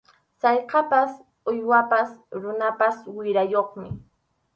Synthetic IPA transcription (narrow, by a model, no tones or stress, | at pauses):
sɑjqɑpas | ʊjwapasɾʊnapaswɪɾajoχmɪ